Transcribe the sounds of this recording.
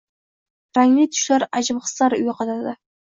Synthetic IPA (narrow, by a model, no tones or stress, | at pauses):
ɾaŋlɪt̪ʰʊ̥ʃlaɾad͡ʒɪbχɨ̥slaɾʊjɪqʰɑt̪ad̪ɪ